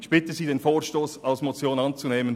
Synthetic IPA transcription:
ɪçb̥ɪtəziːdeːnfoːʃtoːsalsmot͡sjoːnɑnt͡suneːmən

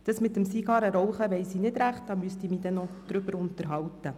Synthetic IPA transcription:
d̥ɑsmɪt̪ːəmsiɡ̥ɑɾəɾɔwχəʋɛɪsiːnɪd̥ɾæχt̚d̥ɑːmyəst̪imiːd̥̪ɛnːɔd̪̥ɾʏbəɾʊnt̪əɾɦɑwt̪ːə

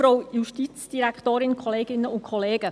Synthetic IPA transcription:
ɾowjuʃtit͡sd̥iɾækχtoːɾɪnkʰɔleːɡɪnːəʊnkʰχɔleːɡ̥ə

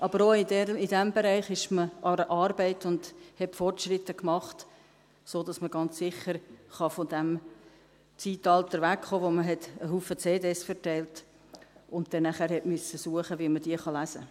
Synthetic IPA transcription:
ʔɑbəɾoidɛidæmbɛɾɛɪχɪʃməʔɑɾəʔɑːɾbɛɪtʊnd̥hɛtfɔrtʃɾɪtːəkmɑχt | soːdɑsməɡɑnt͡ssɪχəɾχɑfɔdæm | t͡siːtɑltəɾvækχoːʋoməɦɛtəɦuːfət͡seːdesfɛɾtɛɪlt | ʊnt̚d̥̪ɛnːæχæːɾhɛtmʏsəsuəχəʋimədiəχɑlæsə

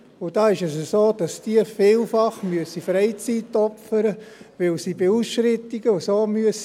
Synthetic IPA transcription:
ʊd̥ɑːɪʃɛsəsoːd̥ɑsd̥iəfɪːlfɑχmyəsifɾɛɪt͡sitɔfəɾəʋɪlsibeusʃɾɪt̪ːiɡ̥əʊsoːmyəs

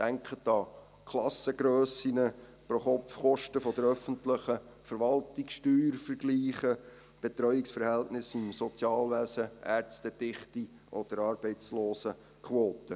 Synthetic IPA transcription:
d̥æŋkχət̪ɑ | kʰlɑsəɡ̥ɾøːsinə | pɾoχɔpfχɔʃtəfɔd̪əɾœfəntləχə | fəɾʋɑltiksʃtyːɾfəɾɡ̥liːχə | b̥ɛt̪ɾœʏiksfəɾhɛltnɪsimsɔt͡sjɑːlʋæsəʔæɾt͡stəd̥ɪχti | ʔɔd̥̪əɾɑːɾb̥ɛɪt͡sloːsə | kχwoːt̪ə

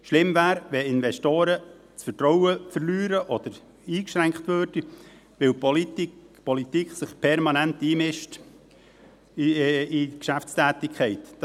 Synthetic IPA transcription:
ʃlɪmvæːɾʋɛɪnvɛʃtoːɾə | t͡sfətɾɔwəfəɾlyːɾəʔɔd̪̥əɾ | iːkʃɾæŋkχt̪ʋøːrd̥i | ʋɪwpɔltpɔlit̪ikχsɪχpʰɛɾmɑnænt̪iːmɪʃt | ikʃæft͡stæːt̪ɪkʰχɛɪt̪ː

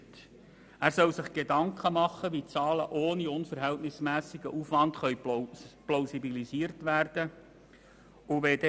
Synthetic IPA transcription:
t | æːɾsœwsɪχɡ̥edɑŋkχəmɑχːəʋit͡sɑːləʔoːniʊnfəɾɦɛltnɪsmæːsiɡ̥əʔufʋɑntχœɥploʊsibilisiəɾtʋæːrd̥ə | ʊʋɛd

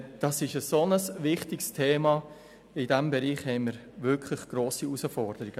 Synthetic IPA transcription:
d̥ɑsɪʃəsonəsʋɪχtɪkstʰeːmɑ | ɪdɛmbɛɾiːχhɛɪməɾ | ʋʏɾkʰlɪχɡ̥ɾoːsiusəfɔɾd̥əɾiɡ̥ə

